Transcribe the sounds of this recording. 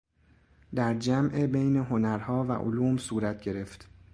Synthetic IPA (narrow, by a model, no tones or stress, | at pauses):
d̪æɾd͡ʒæmʔebejne̞ɦo̞næɾhɒːvæ̰ʔo̰luːmsuːɾæt̪̚ʰɟe̞ɾe̞ft̪